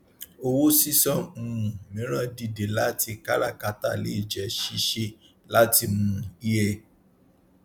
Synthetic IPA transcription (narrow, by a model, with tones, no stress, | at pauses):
o˧wo˦si˦sɔ̃˦˨ũ˨ũ˨mĩ˨˦ɾ̃ã˦˨di˧˨de˨la˦ti˧ka˦la̰˦˨ka˨˦ta̰˦˨lḛ˦i˦˨d͡ʒɛ˨ʃi˦ʃe˧ | la˦ti˧mũ˦i˦je˧